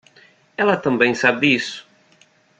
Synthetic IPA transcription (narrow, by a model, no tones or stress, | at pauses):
ɛlɐt̪ɐ̃mbẽj̃sabɪisʊ̥